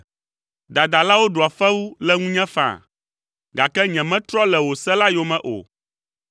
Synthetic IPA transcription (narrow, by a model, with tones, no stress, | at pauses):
d̪a˨d̪a˨la˦wo˦ɖo˨a˨fɛ˦wu˦lɛ˦ŋũ˦ɲɛ̃˦fã̰˨ | ɡa˨kɛ˦ɲɛ̃˨mɛ̃˦t̪ɾɔ˦lɛ˨wo˨sɛ˦la˦jo˦mɛ̃˦ʔo̰˨